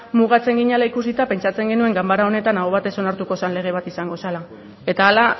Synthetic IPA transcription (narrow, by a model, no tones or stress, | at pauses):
muɣ̞at͡se̞ŋɡiɲalaikusit̪ape̞nt͡ʃat͡se̞ŋɡe̞nue̞ŋɡambaɾao̞ne̞t̪anaoβ̞at̪e̞so̞naɾt̪uko̞sanle̞ɣ̞e̞β̞at̪isaŋɡo̞sala | e̞t̪aːla